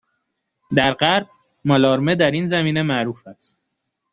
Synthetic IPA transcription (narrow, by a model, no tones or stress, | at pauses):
d̪æɾɢæɾb̚ | mɒlɒːɾme̞d̪æɾinzæmiːne̞mæʔɾuːfæst̪̚